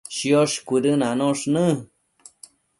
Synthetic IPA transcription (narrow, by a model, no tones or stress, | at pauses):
ʃjoʃkʷiɾɨnanõʂnɨ̃